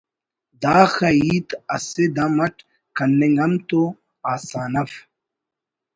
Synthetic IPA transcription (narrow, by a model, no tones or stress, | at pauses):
d̪aːxɐiːt̪ɐ̰sed̪ɐmɐʈ | kɐnːeŋɡɐmt̪o | aːsaːnɐf